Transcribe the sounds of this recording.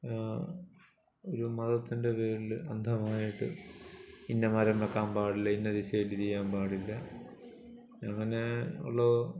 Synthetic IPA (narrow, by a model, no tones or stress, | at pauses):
oɾumɐðɐt̪ːinde̞ʋeːlɨɐnd̪ʱɐmaːjiʈːɨ̰ | inːɐmɐɾɐmɾɐkːaːmpaːɽilːɐinːɐðiɕɐjilit̪ijːaːmpaːɽilːɐ | ɐŋːɐne̞ṵɭːo